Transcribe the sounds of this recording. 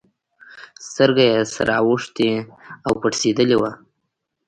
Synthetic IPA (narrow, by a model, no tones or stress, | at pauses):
st̪əɾɡajesa̰ɾaawəʂt̪eawpaʈsed̪əlewa